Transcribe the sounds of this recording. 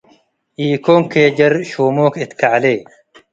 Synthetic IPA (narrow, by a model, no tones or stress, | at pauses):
ʔiːkoŋkeːd͡ʒɐɾʃoːmoːkɪt̪kaʕleː